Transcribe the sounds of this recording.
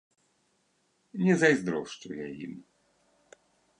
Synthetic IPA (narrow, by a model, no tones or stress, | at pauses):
ɲɛzajzd̪ɾɔwʂt͡ʂujɛḭm